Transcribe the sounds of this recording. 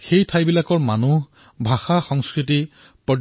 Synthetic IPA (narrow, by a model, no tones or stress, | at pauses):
xejtʰajbilakɔɹmanu | bʱaxaxɔŋskɹiti | pɹɔ